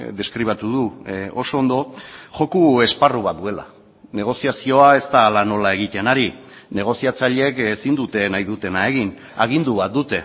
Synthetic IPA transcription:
d̪e̞skɾiβ̞at̪uðuo̞soːnd̪o̞ʝo̞kue̞sparuβad̪ue̞la̰ | ne̞ɣ̞o̞siasio̞ae̞st̪aːlano̞lae̞ɣit̪e̞naɾine̞ɣ̞o̞siat͡saʎe̞kesind̪ut̪e̞najðut̪e̞nae̞ɣin | aɣ̞ind̪uβ̞at̪̚d̪ut̪e̞

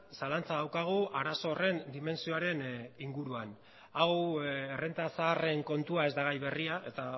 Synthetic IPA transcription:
salant͡saðawkaɣ̞uʔaɾaso̞re̞nd̪ime̞nsioaɾe̞niŋɡuɾuan | awere̞nt̪asaːre̞ŋko̞nt̪uae̞zd̪aɣ̞ajβe̞riaʔe̞t̪a

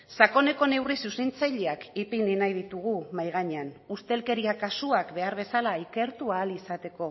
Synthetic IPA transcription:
sako̞ne̞ko̞ne̞wrisusent͡sajʎeakipininajð̞it̪uɣ̞umajɣaɲeanust̪e̞lke̞ɾiakasuakbe̞aɾβ̞e̞salaike̞ɾt̪uaːlisat̪e̞ko̞

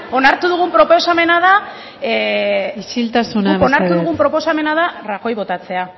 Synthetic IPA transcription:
o̞naɾt̪uðuɣ̞umpɾo̞po̞same̞nað̞a | isilt̪asunaonaɾt̪uððuɣumpɾo̞po̞same̞nað̞arako̞jβo̞t̪at͡se̞a

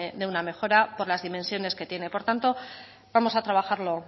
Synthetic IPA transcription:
ðeuname̞xo̞ɾapo̞ɾlazðime̞nsjo̞ne̞ske̞t̪je̞ne̞po̞ɾt̪ant̪o̞ | bamo̞sat̪ɾaβ̞axaɾlo̞

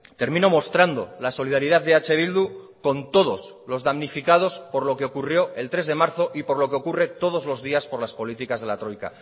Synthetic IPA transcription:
t̪e̞ɾmĩno̞mo̞st̪ɾand̪o̞̰laso̞lið̞aɾið̞aððeat͡ʃe̞β̞ild̪u | ko̞nt̪o̞ð̞o̞s | lo̞zðamnifikað̞o̞spo̞ɾlo̞keo̞kurjo̞e̞lt̪ɾe̞zðe̞maɾθo̞ʔipo̞ɾlokeokure̞t̪o̞ð̞o̞zlo̞zðiaspo̞ɾlaspo̞lit̪ikazð̞e̞lat̪ɾojka̰

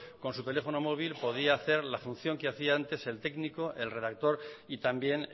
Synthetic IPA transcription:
ko̞nsut̪e̞le̞fo̞no̞mo̞β̞ilpo̞ð̞iaːθe̞ɾlafun̟θjo̞ŋkeaθiaant̪e̞se̞lt̪e̞ɡniko̞ʔe̞lre̞ðak̚t̪o̞ɾit̪ambje̞n

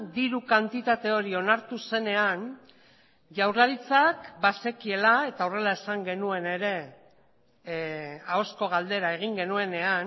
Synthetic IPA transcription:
d̪iɾukant̪it̪at̪e̞o̞ɾio̞naɾt̪use̞ne̞an | ʝawɾlaɾit͡sakbase̞kie̞lae̞t̪aore̞lae̞saŋɡe̞nue̞ne̞ɾe̞ | ao̞sko̞ɣ̞ald̪e̞ɾae̞ɣ̞iŋɡe̞nue̞ne̞an

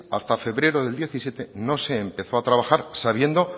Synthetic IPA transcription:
a̰st̪afe̞βɾe̞ɾo̞ðeld̪je̞θisje̞t̪e̞no̞se̞ːmpe̞θo̞at̪ɾaβaxaɾsaβ̞je̞nd̪o̞

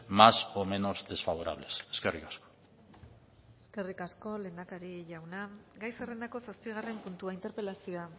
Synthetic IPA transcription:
masome̞no̞zd̪e̞sfaβ̞o̞ɾa̰β̞le̞se̥ske̞rikasko̥ | e̞ske̞rikasko̞le̞ːnd̪akaɾiʝawnaɡajsere̞nd̪ako̞saspiɣ̞are̞mpunt̪uaint̪e̞ɾpe̞lasio̞a

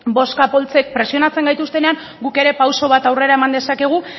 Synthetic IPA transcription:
bo̞skapo̞lt͡se̞k̚pɾe̞sio̞nat͡se̞ŋɡajt̪ust̪e̞ne̞aŋ | ɡuke̞ɾe̞pawso̞β̞at̪awre̞ɾae̞mand̪e̞sake̞ɣ̞u

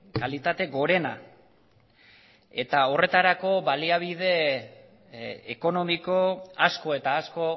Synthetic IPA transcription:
kalit̪at̪e̞ɣo̞ɾe̞na̰ | e̞t̪ao̞re̞t̪aɾako̞βaliaβ̞iðe̞ | ko̞no̞mikoasko̞e̞t̪aːsko̞

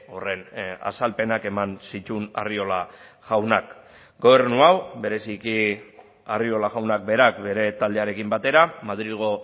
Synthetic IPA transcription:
o̞re̞na̰salpe̞nake̞mansit̪una̰rio̞la | ʝ̥awnak | ɡo̞β̞e̞ɾnuawbe̞ɾe̞siki | ario̞laɣawnak̚be̞ɾakbe̞ɾe̞t̪ald̪e̞aɾe̞kimbat̪e̞ɾamaðɾilɣo̞

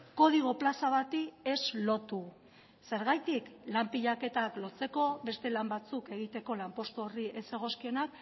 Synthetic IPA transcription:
ko̞ð̞iɣ̞o̞plasaβat̪ie̞zlo̞t̪u | se̞ɾɣajt̪iklampiʎake̞t̪aklo̞t͡se̞ko̞βe̞st̪e̞lambat͡suke̞ɣit̪e̞ko̞lampo̞st̪uo̞riʔe̞se̞ɣ̞o̞skio̞nak

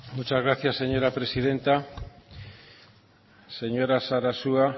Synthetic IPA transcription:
mut͡ʃazɣɾaθjasːeɲoɾapɾesiðent̪a | seɲoɾasaɾasua

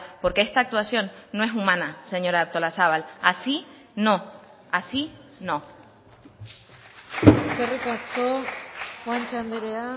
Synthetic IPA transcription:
po̞ɾke̞est̪aːk̚t̪wasjo̞nːoe̞sumãnase̞ɲo̞ɾaaɾt̪o̞lasaβalasi | no̞ | asinõ̞ | kerekast̪oxwant͡ʃand̪eɾea

